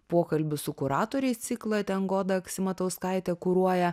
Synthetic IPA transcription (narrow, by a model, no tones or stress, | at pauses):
puɔkɐlʲbʲʊsʊkʊɾɑːt̪oːɾʲɛɪst̪sʲɪklˠɐt̪ʲɛnɡoːd̪ɐksʲɪmɐt̪ɐʊskɑɪt̪ʲɛkʊɾuɔjɛ